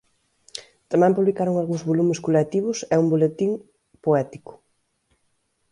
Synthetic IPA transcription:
t̪amɛ̃mpuβlikaɾoŋalɣũŋzβolumɪskolet̪iβ̞ʊsɛumbolet̪iŋ | poɛt̪ikʊ̥

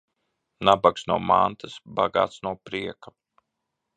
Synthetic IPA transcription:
nabaksnuɔma̰nt̪ɨsba̰ɡa̰ːt̪snuɔpɾiɛka

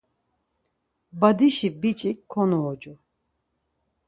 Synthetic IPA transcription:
bad̪iʃibit͡ʃʼikkʰːɔnɔːd͡ʒʼu

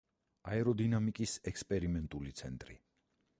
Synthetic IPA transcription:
aɛɾɔd̪inamikʼisɛkspʼɛɾimɛnt̪ʼulit̪sʰɛnt̪ʼɾḭ

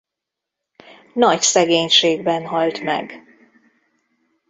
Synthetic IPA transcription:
nɒcsɛɡeːɲʃeːɡ̚bɛnɦɒlt̪mɛ̰ɡ

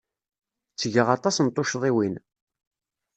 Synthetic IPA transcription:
t͡sːəʝəʁɑt̪ˤɑsnt̪ˤːoʃðˤiwin

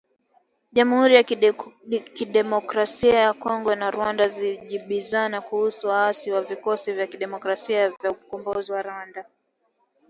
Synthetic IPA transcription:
ʄamuhuɾija | kiɗɛmɔkɾasiajakɔŋɡɔnaɾwandaziʄiɓizanakuhusuwaasiwavikɔsivjakiɗɛmɔkɾasiavjaukɔmbɔziwaɾanda

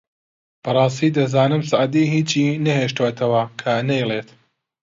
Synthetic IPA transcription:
b̥ɐrˤɑːst̪iːd̪ɐzaːnɨmsaʕd̪iɦiːt͡ʃinɐheːʃt̪uwt̪ʰɐwɐkʰɐnejlˠeːt̪

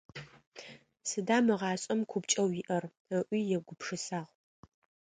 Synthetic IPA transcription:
sɨdaːmɨʁɑːɕʼɐmkʷʰʊpt͡ʃʼɐwiːʔɐr | əʔʷiːjɛɡʷʊpʰʂɨsaːʁ

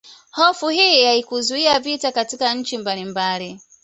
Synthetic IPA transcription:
hɔfuɦijijaikuzuiavitakatikan̩t͡ʃimbalimbaːli

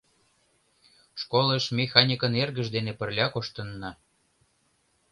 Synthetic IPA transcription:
ʃkoləʃmʲexɑnʲikənerɣəʒd̪enepə̆rlʲɑkoʃt̪ənːɑ

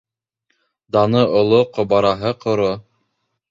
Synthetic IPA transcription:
d̪ɑnɤŏlˠoqŏβɑɾɑɦɤqŏɾo

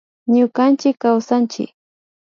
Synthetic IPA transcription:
ɲʊkant͡ʃɪkːawsant͡ʃɪ̰k

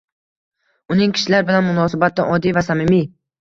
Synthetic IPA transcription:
ʊnɪŋkʲʰɪ̥ʃlaɾbɪlanmʊnɒːsabat̪̚ːaʔɒd̪ːijvasamɪmi

